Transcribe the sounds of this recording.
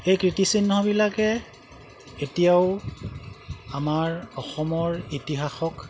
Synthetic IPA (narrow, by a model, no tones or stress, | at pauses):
ejkɹitisinːɔbilakɛ | etijaʊ | amaɹɔxɔmɔɹitiɦaxɔk